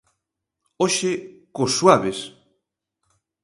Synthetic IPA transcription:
oʃekosːwaβes

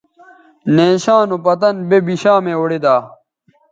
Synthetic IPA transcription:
neːɕaːnopɐt̪ɐnbebiɕaːmeoɽed̪aː

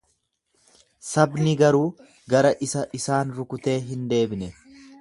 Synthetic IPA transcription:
sɐbnɪɡɐɾuː | ɡɐɾɐʔɪsɐʔɪsaːnɾʊkʊt̪e̞ːɦɪnd̪e̞ːbnɛ

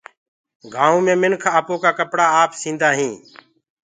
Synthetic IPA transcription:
ɡaːõːmẽːmɪnkʰaːpoːkaːkəpɽaːaːpsĩːnd̪aːɦĩː

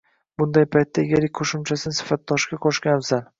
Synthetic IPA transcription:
bʊnd̪ajpʰajt̪ːaɡʲaɾɪkʲqʰoʃʊmt͡ʃʰasɪnsɪ̥fat̪̚d̪ɒʃɡʲaqʰoʃkʲanbzan

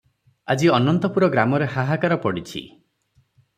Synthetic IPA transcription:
ad͡ʒiɔnɔnt̪ɔpuɾɔɡɾamɔɾeɦaɦakaɾɔpɔɽit͡ʃʰḭ

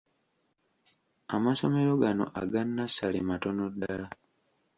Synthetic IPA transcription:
a̰maso̞me̞ɾo̞ɡano̰ʔa̰ɡanːasːalimatonodːaala

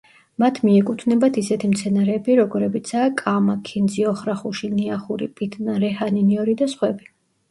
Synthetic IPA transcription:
mat̪ʰmiɛkʼut̪ʰnɛbat̪ʰisɛt̪ʰimt̪sʰɛnaɾɛːbiɾɔɡɔɾɛbit̪sʰaːkʼamakʰind̪ziɔχɾaχuʃiniaχuɾḭpʼit̪ʰʼnaɾɛhaniniɔɾid̪asχwɛbi

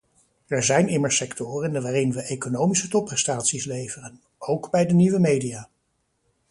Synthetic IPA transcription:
ɛɹzɛjnɪməɹsɛktʊːrəɪnəʋaːrɪnʋəʔejkonowmisətɔpːrɛstaːtsislejvərən | owkbɛjdəniʋəmejdijaː

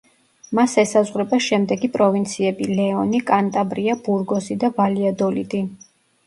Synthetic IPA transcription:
masɛsazʁwɾɛbaʃɛmd̪ɛɡipʼɾɔvint̪sʰiɛbilɛɔnikʼant̪ʼabɾiabuɾɡɔzid̪avaliad̪ɔlḭd̪i

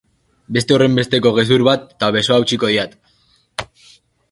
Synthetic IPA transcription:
be̞st̪e̞o̞re̞mbe̞st̪eko̞ɣe̞s̬uɾβat̪ːaβe̞so̞awt͡ʃiko̞ðiat̪

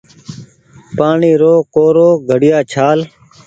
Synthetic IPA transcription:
paːɳiːɾoːkoːɾoːɡʱəɽɪjaːt͡ʃʰaːl

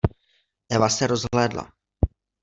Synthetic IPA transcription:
ʔɛvasɛɾozɦlɛːdla̰

